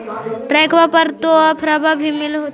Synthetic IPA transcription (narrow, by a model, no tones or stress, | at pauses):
ɾɛːkʰwapəɾt̪oapʰɾabʱabʱimɪlɦoːt̪